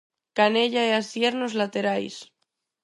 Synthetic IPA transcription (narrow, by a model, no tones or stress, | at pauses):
kaneʎaeasjeɾnozlat̪eɾajs